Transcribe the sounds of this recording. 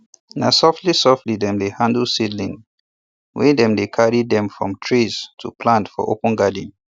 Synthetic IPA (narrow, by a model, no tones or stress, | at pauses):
nasɔftlisɔftlidɛ̃mdehãndəl̩sidlĩŋ | wɛdɛ̃mdekʰaɹidɛ̃mfɹɔ̰̃mtʰɹiz̥tʰupʰlãntfɔ̰ʔo̰pə̃nɡadə̃n